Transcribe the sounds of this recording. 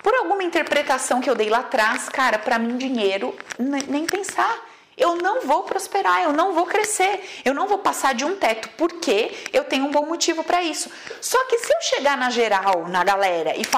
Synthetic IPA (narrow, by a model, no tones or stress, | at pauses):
poɾawɡũmɐĩnt̪eɾpɾet̪asɐ̃w̃kɪewd̪ejlat̪ɾaskaɾɐpɾɐmĩd͡ʒĩɲejɾʊnẽj̃pẽsaɾ | ewnɐ̃w̃vowpɾospeɾaewnɐ̃w̃vowkɾeseɾewnɐ̃w̃vowpasaɾd͡ʒɪũt̪ɛt̪ʊ̥poɾkʰeewt̪ẽɲʊũbõw̃mot͡ʃivʊpɾɐisʊ̥ | sɔkɪsɪewʃeɡaɾnɐʒeɾawnɐɡalɛɾɐʔɪf